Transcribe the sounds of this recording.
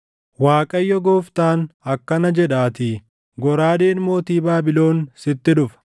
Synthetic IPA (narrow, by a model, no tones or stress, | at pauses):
waːkʼɐjːɔɡoːft̪aːnɐkːɐnɐd͡ʒɛᶑaːt̪i | ɡɔɾaːd̪e̞ːnmo̞ːt̪iːbaːbɪlo̞ːnsɪt̪ːɪᶑʊfɐ̥